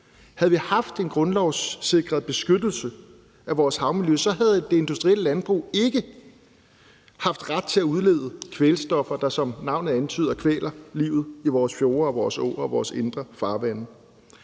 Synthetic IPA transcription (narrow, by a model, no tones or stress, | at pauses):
hæðˠʋihɑ̈fd̥e̝nɡ̥ʁɔ̽nlɒʊse̝ɡ̥ʁɐðˠb̥e̝sɡ̥ød̥l̩sə | æʋɒːshɑ̈ʊmiløsɒ̽ɦæð̞ˠd̥e̝e̝nd̥usd̥ʁiel̰əlænb̥ʁṵe̝ɡ̥ə | hɑ̈fd̥ʁad̥̚t͡sʰe̝æuð̞ˠlḛːð̞ˠəkʰʋelsd̥ɒ̽fɐd̥ɑ̈sɒ̽mnɑ̈ʊ̰nð̩ˠænt͡sʰy̰ːð̞ˠɐkʰʋḛːlɐlḭːʊð̞̩ˠiʋɒːsfjo̝ːɐɒ̽ʋɒːsɔ̰ːɒʋɒːse̝nd̥ʁɐfɑ̈ːʋænə